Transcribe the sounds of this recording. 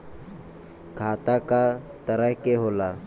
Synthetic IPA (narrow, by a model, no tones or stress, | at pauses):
kʰaːt̪akat̪əɾəɦkeɦoːlaː